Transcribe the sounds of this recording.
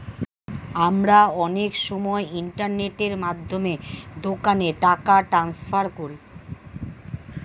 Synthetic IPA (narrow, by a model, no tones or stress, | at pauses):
amɾaɔnekʃɔmɔeiɳʈaɾneʈeɾmad̪ʱːomed̪okaneʈakaʈɾansfʰaɾkoɾi